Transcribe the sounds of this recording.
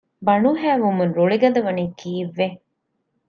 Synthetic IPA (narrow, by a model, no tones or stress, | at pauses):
bɐɳuɦæːʋumunɾoɭiɡɐd̪ɐʋɐniːkʰiːʋːe